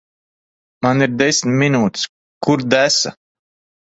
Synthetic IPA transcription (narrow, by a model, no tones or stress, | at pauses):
maniɾd̪ɛsʲmʲminuːt̪i̥s | kuɾd̪æsa̰